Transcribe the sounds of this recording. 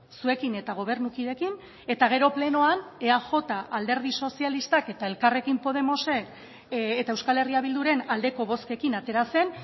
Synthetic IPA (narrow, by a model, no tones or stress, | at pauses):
sue̞kine̞t̪aɣ̞o̞β̞e̞ɾnukiðe̞kin | e̞t̪aɣ̞e̞ɾo̞ple̞no̞ane̞aʝo̞t̪aʔald̪e̞ɾð̞iso̞sialist̪ake̞t̪ae̞lkare̞kimpo̞ð̞e̞mo̞se̞kː | t̪aewskale̞riaβild̪uɾe̞nald̪e̞ko̞β̞o̞ske̞kinat̪e̞ɾase̞n